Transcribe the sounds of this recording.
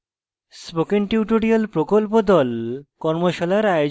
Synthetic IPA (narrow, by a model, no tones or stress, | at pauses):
spokenʈiuʈoɾialpɾokolpod̪ɔlkɔɾmoʃalaɾajo